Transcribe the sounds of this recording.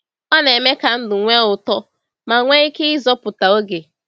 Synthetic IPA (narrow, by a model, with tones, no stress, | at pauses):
ɔ˦ne˨me˦ka˨n̩˦dʊ˨ŋʷe˦ʊ˨tɔ˦ | ma˨ŋʷe˦i˦ke˦ɪ˦zɔ˦pʊ˨ta˨o˦ɡe˨